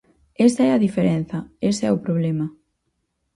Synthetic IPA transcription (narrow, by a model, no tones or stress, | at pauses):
es̬t̪ɐɛɐðifeɾen̟θɐesɛʊpɾoβlɛmɐ